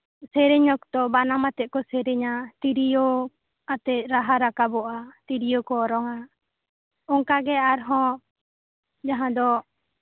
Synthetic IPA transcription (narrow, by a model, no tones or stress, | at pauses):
sɛɾɛɲɔk̚t̪ɔbanamat̪ɛʔ̚kɔsɛɾɛɲat̪iɾijo | at̪ɛˀɾaɦaɾakabɔʔat̪iɾijokɔːɾɔŋa | ɔŋkaɡɛaɾɦɔ̃ | d͡ʒaɦãd̪ɔ